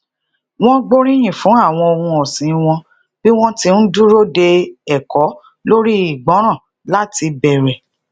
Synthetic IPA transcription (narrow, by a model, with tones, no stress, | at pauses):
w̃ɔ̃˦ɡ͡bo˦ɾĩ˦j̃ĩ˦˨fũ˨˦a˦˨w̃ɔ̃˧o˧ɾũ˧ɔ˨sĩ˨˦˧w̃ɔ̃˧ | b̥i˦w̃ɔ̃˦tĩ˧n̩˦du˦ɾo˦de˧ɛ˨kɔ˨˦ | lo˦ɾi˦i˦˨ɡ͡bɔ̃˨˦ɾ̃ã˦˨ | la˦ti˧bɛ˨ɾɛ˨